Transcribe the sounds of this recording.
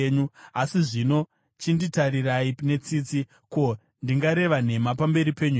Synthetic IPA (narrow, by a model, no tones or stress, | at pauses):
ɲuasiʐino̞ | t͡ʃinditaɾiraine̞t͡siːt͡si | ko̞ | ndiŋɡaɾe̞ʋan̤e̞mapambe̞ɾipe̞ɲu